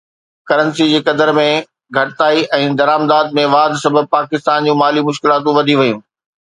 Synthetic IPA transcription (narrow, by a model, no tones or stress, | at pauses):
kɐɾənsid͡ʑeːkɐd̪əɾmẽ | ɡʱɐʈɪt̪aːiʔɛ̃ːd̪ɐɾaːmd̪aːd̪̚mẽʋaːd̪ʱsɐbʱəb̚paːkɪst̪aːnd͡ʑũːmaːlimʊʃkɪlaːt̪̬ũʋɐd̪ʱiʋɐjũː